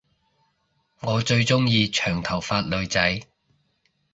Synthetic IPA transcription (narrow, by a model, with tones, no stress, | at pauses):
ŋɔː˨˧t͡ʃɵ˧ɥt͡sʊ˥ŋjiː˧t͡ʃʰœː˨˩ŋt̪ʰɐ˨˩wfaː˧t̚lɵ˨˧ɥt͡sɐ˨˥j